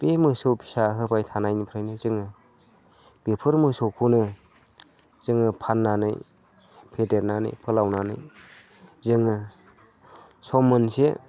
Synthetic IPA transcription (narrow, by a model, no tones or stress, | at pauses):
bemɯsɯwpʰi̥saɦɯbajtʰanajnipʰɾɯjnizɯŋɯ | b̥epʰɯɾmɯsowpʰunɯ | zɯŋɯpʰanːanɯ̰j | pʰedeɾnanɯ̰jpʰɯlawnanɯ̰j | zɯŋɯ | sɔmːɯnse